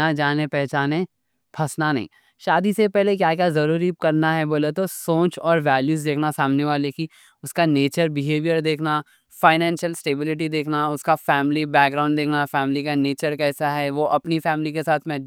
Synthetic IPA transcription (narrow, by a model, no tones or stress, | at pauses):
ad͡ʒaːnepɛɦt͡ʃaːne | pʰɐsnanɐ̰ɦḭ̃ː | ʃaːd̪isepɛɦlekjaːkjazɐɾuːɾikɐɾnaɦɛboːlet̪osõːt͡ʃɔːɾʋɛːljuːzd̪eːkʰnasaːmneʋaːleki | ʊskaneːt͡ʃəɾbɪɦeːʋijəɾd̪eːkʰna | faːɪnɛ̃ːnʃəlsʈeːbɪlɪʈ̬id̪eːkʰnaʊskafɛːmɪlibɛːɡɡɾãːʊ̃ɳɖd̪eːkʰnafɛːmɪlikaneːt͡ʃəɾkɛːsaɦɛʋoʔɐpnifɛːmɪlikesaːt̪ʰmẽ